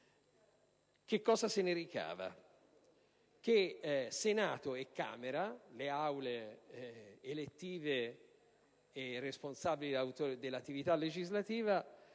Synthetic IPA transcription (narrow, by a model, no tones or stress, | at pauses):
k̟ekːɔːzaseneɾika̰ːva̰ | k̟esenaːt̪oekːa̰ːmeɾaleawle | elet̪ːiːve | erːesponsaːbilit̪od̪elːat̪ːivit̪alːed͡ʒizlat̪iːva